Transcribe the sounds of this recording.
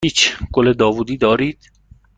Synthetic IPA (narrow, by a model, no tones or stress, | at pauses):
iːt͡ʃʰɡ̥oled̪ɒːvuːd̪iːd̪ɒːɾiːd̪̥